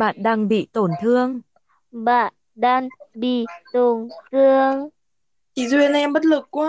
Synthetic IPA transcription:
ɓa̰ː˧˨nɗaː˧ŋɓḭ˧˨t̪o˧˩nt̪ʰɨ˧əŋ | ɓa̰ː˧˨n | ɗaː˧ŋɓḭ˧˨t̪o˨˩nt̪ɨ˧əŋ | ti˨˦zwi˧˩ən˨˧ɛ˧mɓə˦˥t̚lɨ˨˩kkwaː˦

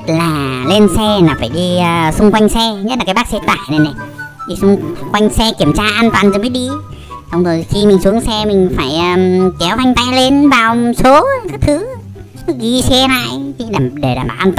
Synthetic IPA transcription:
t̚laː˨˩le˧nsɛ˧naː˨˩faː˧˩jɗiː˧sʊ˧ŋ͡mkwa˧jŋ̟sɛ˧ɲə˦˥la˨˩kaː˨˦ɓa˦˥k̚sɛ˧t̪a̰ː˧˩˨jne˨˧˩ne˨˩ɗi˧sʊ˧ŋ͡mkwa˧jŋ̟sɛ˧ki˧˩əmt͡ɕaː˧ʔaː˧nt̪waː˨˩nzo˨˩jmə˨˦ɗi˧ | ɗə˧wŋ͡mzo˨˩jxi˧mï˨˩ŋ̟su˨˦əŋsɛ˧mï˨˩ŋ̟faː˧˩jʔəː˨˩kɛ˨˦wva˧jŋ̟t̪a˧jle˧nvaː˨˩wso˨˦kaː˦˥k̚t̪ʰɨ˨˦ | ɣi˧sɛ˧na̰ː˧˨ji˧ɗaː˨˩mɗe˧˩ɗaː˨˩mɓaː˧˩ʔːt̪ː

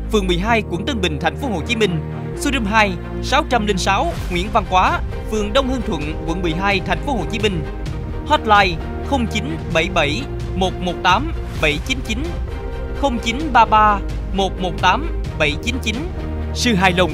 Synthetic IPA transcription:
fɨ˨əŋmɨ˨˩əjɦaː˧jkw̰ŋt̪ɨ˧ŋɓï˨˩ŋ̟t̪ʰɛ˨˩jŋ̟fo˨˦ɦo˧˨˩t͡ɕi˨˦mï˧ŋ̟ | su˧ɗɨ˧mɦaː˧j | saː˨˦wt͡ɕa˧mlï˧ŋsaː˨˦w | ŋwḭ˧˥ənva˧nkwaː˨˦ | fɨ˨˩əŋɗə˧wŋ͡mhɨ˧əŋt̪ʰwə̰˧˨nkwə̰˧˩nmɨ˨˩əjɦaː˧jt̪ʰɛ˨˩jŋ̟fo˨˦ho̰˧˨˩t͡ɕi˨˦mï˧ŋ̟ | hɔ˦˥t̚laː˧j | xə˧wŋ͡mt͡ɕi˨˦n | ɓə˧˩jɓə˧˩j | mo˨˩t̚mo˨˩t̚t̪aː˨˦m | ɓə˧˩jt͡ɕi˨˦nt͡ɕi˨˦n | xə˧wŋ͡mt͡ɕi˨˦nɓaː˧ɓaː˧ | mo˨˩t̚mo˨˩t̚t̪aː˨˦mɓə˧˩jt͡ɕi˨˦nt͡ɕi˨˦n | sɨ˧˩ɦaː˧˩jlə˧˩wŋ͡m

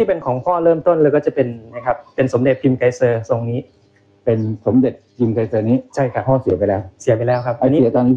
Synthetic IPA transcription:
t̪ʰiː˥˩pe˧nkʰɔː˩˦ŋkʰɔː˥˩ɾɤː˥˩mt̪o˥˩nlaː˦˥wkɔː˥˩t͡ɕa˨˩pe˧nːa˧˥˩kʰa˦˥pːe˧nso˩˦mde˨˩t̪̚pʰi˧mka˧˥jsɤː˧so˧ŋniː˦˥ | pe˧nso˩˦mde˨˩t̪̚pʰi˧mka˧˥jsɤː˧niː˦˥t͡ɕʰa˥˩jkʰa˦˥hɔː˥˩si˨˩˦pa˧jlɛː˦˥wsi˩˦pa˧jlɛː˦˥wkʰa˦˥p̚ʔa˧nːiː˦st̪aː˧n˥

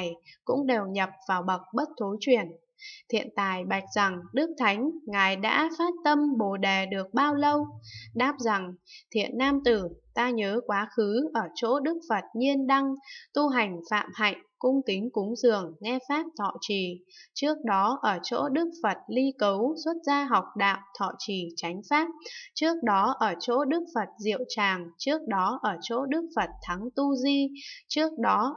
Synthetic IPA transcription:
jkʊ̰˧˥ŋ͡mɗe˨˩wɲə˨˩p̚vaː˨˩wɓə˨˩k̚ɓə˦˥t̚t̪ʰo˨˦jt͡ɕwi˧˩ən | t̪ʰḭ˧˨ənt̪a̰ː˧˨jɓa˨˩jk̟̚z̥a˨˩ŋɗɨ˦˥k̚t̪ʰa˨˦jŋ̟ŋaː˨˩jɗa̰ː˧˥faː˦˥t̚t̪ə˧mɓo˨˩ɗe˨˩ɗɨ˨˩ək̚ɓaː˧wlə˧wɗaː˦˥p̚za˨˩ŋt̪ʰḭ˧˨ənːaː˧mt̪ɨ˧˩t̪aː˧ɲəː˨˦kwaː˨˦xɨ˨˦ʔəː˧˩t͡ɕo̰˧˥ɗɨ˦˥k̚fə˨˩t̚ɲi˧ənɗa˧ŋt̪u˧ɦa˨˩jŋ̟fa̰ː˧˨mha̰˧˨jŋ̟kʊ˧ŋ͡mki˨˦ŋ̟kʊ˨˦ŋ͡mzɨ˨˩əŋːɛ˧faː˦˥p̚t̪ʰɔ̰˧˨t͡ɕi˧˩t͡ɕɨ˦˥ək̚ɗɔ˨˦ʔəː˧˩t͡ɕo̰˧˥ɗɨ˦˥ək̚fə˨˩t̚li˧kə˨˦wswə˦˥t̚zaː˧ɦa˨˩wk͡p̚ɗa̰ː˧˨wt̪ʰɔ̰˧˨t͡ɕi˧˩t͡ɕa˨˦jŋ̟faː˦˥p̚t͡ɕɨ˦˥ək̚ɗɔ˨˦ʔəː˧˩t͡ɕo̰˧˥ɗɨ˦˥ək̚fə˨˩t̚zḭ˧˨əwt͡ɕaː˨˩ŋt͡ɕɨ˦˥ək̚ɗɔ˨˦ʔəː˧˩t͡ɕo̰˧˥ɗɨ˦˥ək̚fə˨˩t̚t̪ʰa˨˦ŋt̪u˧zi˧t͡ɕɨ˦˥ək̚ɗɔ˨˦

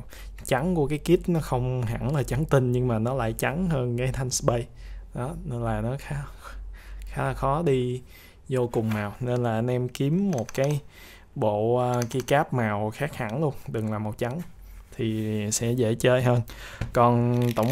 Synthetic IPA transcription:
t͡ɕa˨˦ŋkṵ˧˩əkaː˨˦jki˦˥əp̚nɔ˨˦xə˧wŋ͡mɦa̰˧˩nlaː˨˩t͡ɕa˨˦ŋt̪ï˧nɲɨ˧ŋmaː˨˩nɔ˨˦la̰ː˧˨jt͡ɕa˨˦ŋhəː˧nkaː˨˦jt̪ʰa˧jŋ̟sɓə˧jɗɔ˨˦ne˧nlaː˨˩nɔ˨˦xaː˨˦ | xaː˨˦lxɔ˨˦ɗi˧ | zo˧kʊ˨˩ŋ͡mnaː˨˩wne˧nlaː˨˩ʔnʔɛ˧mki˨˦əmːo˨˩t̚kaː˨˦j | ɓo̰ː˧˨˧ki˧kaː˦˥p̚maː˨˩wxaː˦˥k̚ha̰˧˩˥nlu˧əŋɗɨ˨˩ŋlaː˨˩mo˨˩t̚t͡ɕa˨˦ŋ | t̪ʰi˨˩sɛ̰˧˥zḛ˧˥t͡ɕe˧ɦəː˧n | kɔ˨˩nt̪ə̰˧˩wŋ͡m

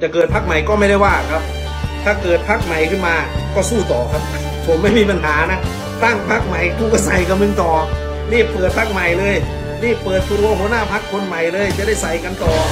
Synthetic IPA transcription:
t͡ɕa˨˩kɤː˨˩t̪̚pʰa˦˥k̚ma˨˩jkɔː˥˩ma˥˩jda˥˩jwaː˥˩kʰa˦˥p̚ | t̪ʰaː˥˩kɤː˨˩t̪̚pʰa˦˥˩k̚ma˨˩jkʰɯ˥˩nmaː˧kɔː˥˩suː˥˩t̪ɔː˨˩kʰa˦˥p̚ | pʰo˨˦mːa˥˩jmiː˧pa˧nɦaː˩˦na˦˥ʔ | t̪a˥˩ŋpʰa˦˥˩k̚ma˨˩jt̪u˧˩kɔ˥˩sa˨˩jka˧mɯ˧ŋt̪ɔː˨˩ | liː˥˩ppːɤː˨˩t̪̚pʰa˦˥k̚ma˨˩jlɤː˧j | ɾiː˥˩pːɤː˨˩t̪̚kʰu˧ɾu˧əho˧˥˦naː˥˩pʰa˦˥kʰːo˧nma˨˩jlɤː˧jt͡ɕa˨ʔda˥˩jsa˨˩jka˧nt̪ɔː˨˩

